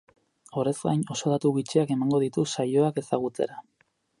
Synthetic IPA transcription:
o̞ɾe̞zɡa̰jno̞so̞ð̞at̪uɣit͡ʃiake̞maŋɡo̞ðit̪usajo̞ake̞saɣ̞ut͡se̞̰ɾa

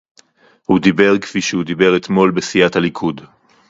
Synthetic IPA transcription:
hud̪ibe̞ʁke̥fiʃehud̪ibe̞ʁet̪mo̞lbesijathalikʰud

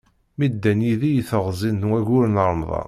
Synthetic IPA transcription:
mid̪ːænjiðijəθəʁzˤinːwæʝʊɾnəɾˤəmðˤɑ̰

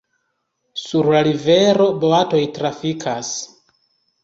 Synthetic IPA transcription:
suɾlaɾive̞ɾo̞boato̞jtɾafikʰas

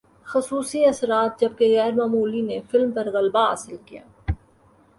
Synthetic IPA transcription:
xʊsuːsiɐsɾaːt̪̚d͡ʒɐb̚keɣɛːɾmaːmuːlinefɪlmpɐɾɣɐlbaa̰ːsɪlkija̰ː

